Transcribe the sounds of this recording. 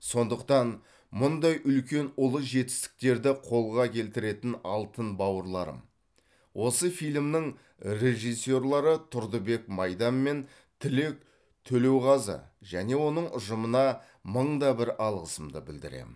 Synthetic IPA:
so̞nd̪əq̚t̪ɑn | mʊnd̪ɑjʔʏlkʲe̞nʊlˠəʒe̞t̪ɪ̥st̪ɪ̥k̚t̪e̞ɾd̪ɪqʰo̞lˠʁɑkʲʰe̞lt̪ɪɾe̞t̪ɪnɑ̰lˠt̪ənbɑwəɾlˠɑɾə̰m | wʔo̞səfijlʲmnɪŋ | rʲe̞ʒijsːo̞ɾlˠɑɾət̪ʰʊɾd̪əbe̞kmɑjd̪ɑmːe̞n | t̪ʰɪlek̚ | t̪ʰɵle̞wʁɑzə̰ʒæne̞wo̞nəɴʔʊʒəmənɑ | məɴd̪ɑbɪɾɑlˠʁəsəmd̪ə̰bɪld̪ɪ̰ɾḛm

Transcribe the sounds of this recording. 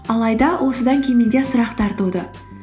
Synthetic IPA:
ɑlˠɑjd̪ɑwʔo̞səd̪ɑŋkʲʰemend̪e̞sʊɾɑqt̪ʰɑɾt̪ud̪ə

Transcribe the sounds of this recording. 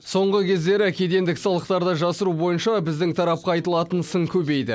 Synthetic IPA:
so̞ɴʁəkʲʰe̞zd̪e̞ɾɪækʲed̪e̞nd̪ɪksɑlˠəqt̪ɑɾd̪ɑʒɑsəɾubo̞jənʃɑbɪzd̪ɪŋt̪ʰɑɾɑp̚qɑɑjt̪əlˠɑt̪ənsəŋkʲʰɵbe̞jd̪ɪ

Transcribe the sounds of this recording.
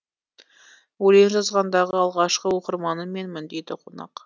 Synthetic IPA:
wɵlenʒɑzʁɑnd̪ɑʁəɑlˠʁɑʃqəwoqəɾmɑnəme̞nmɪnd̪ed̪ɪqʰo̞nɑ̰q

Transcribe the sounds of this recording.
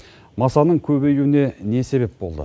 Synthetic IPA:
mɑsɑnəɴkʲʰɵbejuwɪne̞ne̞se̞βe̞p̚bo̞lˠd̪ə̰

